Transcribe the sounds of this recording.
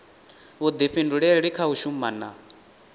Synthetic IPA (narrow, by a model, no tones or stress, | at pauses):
βud̪iɸinduɺɛɺikʰauʃumana